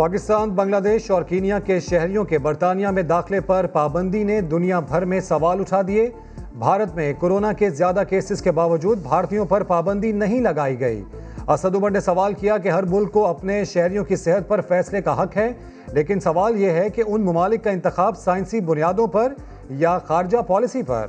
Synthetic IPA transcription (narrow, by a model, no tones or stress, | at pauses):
paːkɪst̪aːnbɐ̃ŋɡlaːd̪eːʃɔːɾkiːnijakeʃɛɦɾijõkebɐɾt̪aːnijamẽd̪aːxlepɐɾpaːbə̃nd̪ined̪ʊnijabʱɐɾmẽsɐʋaːlʊʈʰaːd̪ie | bʱaːɾət̪mẽkoːɾoːnakezjaːd̪akeːsɪzkebaːʋəd͡ʒuːd̪̚bʱaːɾt̪ijõpɐɾpaːbə̃nd̪inɐɦĩlɐɡaːiɡɐḭː | ɐsəd̪ʊbəɖnesɐʋaːlkijak̬eɦɐɾmʊlkːoɐpneʃɛɦɾijõkisɪɦət̪̚pɐɾfɛːslekaɦɐkɦɛ | leːkɪnsɐʋaːljeɦɛkeʔʊnmɐmaːlɪkːaɪ̃nt̪ɪxaːbsaːɪ̃nsibʊnijaːd̪õpɐɾ | jaxaːɾɪd͡ʒapɔːlɪsipɐ̰ɾ